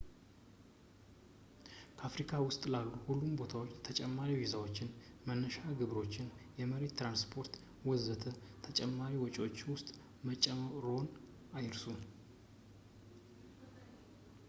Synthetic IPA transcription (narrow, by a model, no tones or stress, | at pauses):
kʰəafɾikʰawʊst̪ʼlalːuhulːumbo̞t̪ʰawo̞t͡ʃːt̪ʰət͡ʃʼɛmːaɾiwizawo̞t͡ʃːɪnmənːəʃaɡɨβɾo̞t͡ʃːɪnjɛməɾet̪t̪ːɾanspʰo̞ɾt̪ | wɔzət̪ʰət̪ʰət͡ʃʼɛmːaɾiwɔt͡ʃʼwot͡ʃːwʊst̪ʼ | mət͡ʃʼɛmʼɾo̞n | ajɾsu